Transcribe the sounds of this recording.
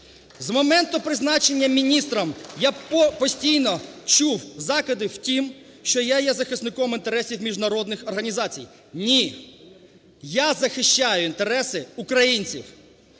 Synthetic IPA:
zmɔmɛnt̪ʊpɾɪznɑt͡ʃe̞nʲːɐmʲinʲist̪ɾɐmjapɔsʲtʲijnɔt͡ʃuwzɑkɪd̪ɪwtʲim | ʃt͡ʃɔjajɛzɐxɪsnɪkɔmɪnt̪eɾɛsʲiwmʲiʒnɐɾɔd̪nɪxɔrɦɐnʲizɑt͡sʲḭj | nʲi | jazɐxɪʃt͡ʃajʊint̪eɾɛsɪukɾɐjinʲt͡sʲḭw

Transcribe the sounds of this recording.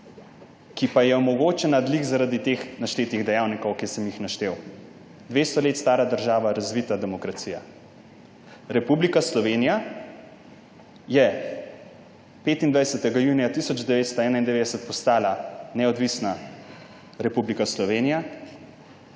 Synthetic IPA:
kipajɛɔmɔɡoːt͡ʃɛnad̪likzaɾad̪it̪exnaʃt̪eːt̪niɣd̪ɛjawnikɔwkisɛmjixnaʃt̪ew | d̪ʋeːst̪ɔleːt̪st̪aːɾad̪əɾʒaːʋaɾazʋit̪ad̪ɛmɔkɾat̪siːja̰ | ɾɛpublikaslɔʋenija | jɛ | peːt̪ind̪ʋajsɛt̪ɛɡajuːnijat̪isɔd͡ʒd̪ɛʋeːt̪st̪ɔɛːnaind̪ɛʋeːd̪ɛsɛt̪̚pɔst̪aːlanɛɔd̪ʋisna | ɾɛpublikaslɔʋeːnija

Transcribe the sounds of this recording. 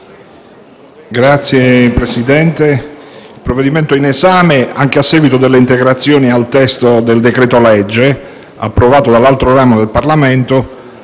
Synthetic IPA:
ɡɾat̪sːjepɾesid̪ɛnt̪eilpɾovːed̪iment̪oinezaːmeaŋk̟easːɛːɡwit̪od̪elːeint̪eɡɾat̪sːjoːnialt̪ɛst̪od̪eld̪ekɾɛːt̪olɛd͡ʒːe | a̰pːɾovaːt̪od̪alːalt̪ɾoɾaːmod̪elparlament̪o

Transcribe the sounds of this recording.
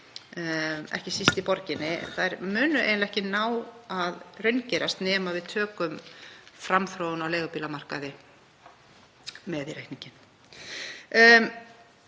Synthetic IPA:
ɛ̰hcɪsist̪ɪpɔɾcɪnːɪɛ̰nθaðɛɾmʏːnʏḛjnlɛhcɪnaːwaðrʏɥncɛɾast̪nɛːmavɪðt̪ʰœːkʏmfɾamθɾoːwʏnawlɛːɣʏpiːlamar̥kaðɪ | mɛðɪɾehkniɲcɪn

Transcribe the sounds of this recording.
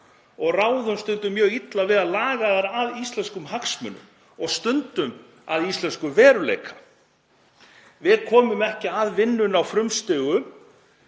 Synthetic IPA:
ɔɣraːwðʏmst̪ʏnt̪ʏmːjœːɣit̪lavɪðalaːɣaðaɾaðist̪lɛnskʏmɦaksmʏ̰nʏ̰m | ɔɣst̪ʏnt̪ʏm | a̰ðist̪lɛnskʏvɛːɾʏlḛːjkʰḁ | vɪɾkʰɔːmʏmɛhcɪaðvɪnːʏnawfɾʏmst̪ʏːɣʏm

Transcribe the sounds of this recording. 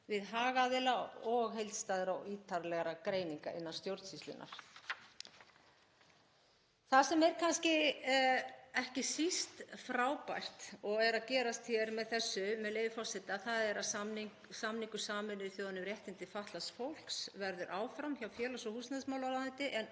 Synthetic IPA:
vɪðɦaːɣaðɪlaɔɣɦejlt̪st̪aːðɪɾaɔiːt̪ʰaɾlɛɣaɾakɾeːjniŋka̰ʔɪnːḁst̪jowɾt̪sislɪ̰nʔa̰ɾ̥ | θasɛmɛɾ̥kʰanscɪ | ɛhcɪsist̪fɾaːwpajr̥t̪ɔɣɛɾaðcɛːɾast̪çɛɾmɛðθɛsːʏmɛðleːjvɪfɔsɛt̪ɪaθaðɛɾamn | samniŋkʏsaːmɪnʏθjoːwðanʏmrjɛht̪ɪnt̪ɪfaht̪lasfowl̥ksvɛɾðʏɾʔaːwfɾamçawfjɛːlasɔhusnaðsmawlawlaðɪnt̪ɪʔɛn

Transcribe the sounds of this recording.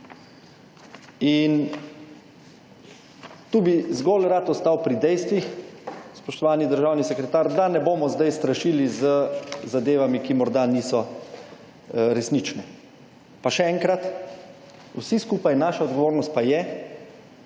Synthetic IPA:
in | t̪uːbizɡoːlɾat̪ɔst̪awpɾid̪ɛjst̪ʋixspɔʃt̪ɔʋaːnid̪əɾʒaːwnisɛkɾɛt̪aːɾd̪anɛboːmɔzd̪ajst̪ɾaʃiːlizəzad̪eːʋamikimɔɾd̪aniːsɔ | ɾɛsnit͡ʃnɛ | paʃɛɛŋkɾat̪ | usiskuːpajnaːʃaɔd̪ɡɔʋoːɾnɔst̪̚pajɛ

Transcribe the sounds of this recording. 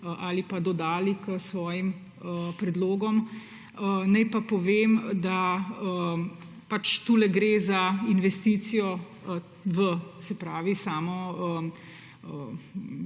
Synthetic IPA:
əʔalipad̪ɔd̪aːlikəsʋɔːjim | əpɾɛd̪loːɡɔm | ənajpapɔʋeːmd̪aə | pat͡ʃt̪uːlɛɡɾeːzainʋɛst̪iːt̪sijɔ | ʋəsɛpɾaːʋisaːmɔə | ə

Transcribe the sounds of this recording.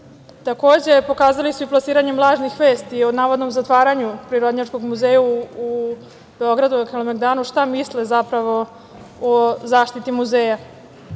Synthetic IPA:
t̪ako̞ːd͡ʑe̞po̞kaːzalisuiplˠasiːɾaɲemlˠaːʒnixʋe̞ːst̪ionaːʋod̪no̞mzat̪ʋaːɾaɲupɾiɾo̞d̪ɲaʈ͡ʂko̞ɡmuzeːjaː | b̥eo̞ɡɾad̪uokelomeɡd̪aːnuʃt̪amislezapɾaʋo̞ | ozaːʃt̪it̪imuzeːja

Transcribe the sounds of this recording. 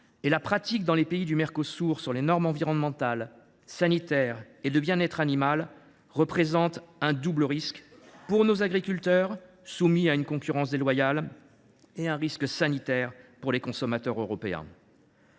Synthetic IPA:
elapχat̪ik̚d̪ɑ̃lepeid̪ymɛʁkosuʁsyʁlenɔʁmɑ̃viʁɔnmɑ̃t̪al | sanit̪ɛʁ | ed̪əbjɛ̃nɛt̪χanimal | ʁəpχezɑ̃t̪ɛ̃d̪ubləʁiskpuʁnozaɡʁikʲylt̪œʁ | sumiaynkɔ̃kʲyʁɑ̃s̬d̪elwajal | eɛ̃ʁisksanit̪ɛʁpuʁlekɔ̃sɔmat̪œʁøʁɔpeɛ̰̃

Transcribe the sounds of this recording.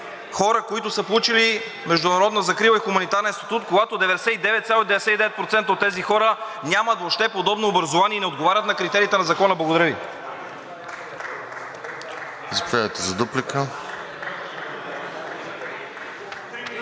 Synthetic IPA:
xɔɾəkoit̪ʊsəpolˠut͡ʃili | mɛʒd̪ʊnɐɾɔd̪nəzɐkɾivəixumɐnit̪aɾnɛnst̪i̥t̪ut̪koɡat̪od̪ɛvɛd̪ɛsɛt̪id̪ɛvɛt̪t̪sʲalˠoid̪ɛvɛsɛid̪ɛvɛt̪̚pɾot̪sɛnt̪əot̪ːɛzixɔɾə | nʲamət̪voʃt̪ɛpod̪ɔbnoːbɾɐzovaniɛinɛod̪ɡovaɾʲət̪nɐkɾit̪ɛɾiːt̪ɛnɐzɐkɔnəblˠɐɡod̪ɐɾəvi | zɐpovʲad̪əjt̪ɛzɐd̪uplikə

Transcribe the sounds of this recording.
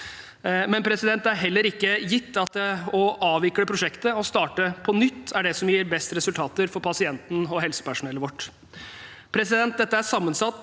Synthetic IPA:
mɛnpʰɾɛsɪd̪ɛnt̪æɾɦɛlːəɾɪkːəjɪt̪ːɑt̪ɔʔɑːʋɪkːləpʰɾʊʂɛkt̪əɔst̪ɑːʈəpʰɔnʏt̪ːæɖɛsɔmjiːɾbɛst̪ɾɛsʉlt̪ʰɑːt̪əɾfɔɾpʰɑsɪɛnt̪n̩ɔɦɛlsə̥pæʂʊnɛlːəʋɔʈː | pʰɾɛsɪd̪ɛnt̪̚d̪ɛt̪ːəæʂsɑmːənsɑt̪ː

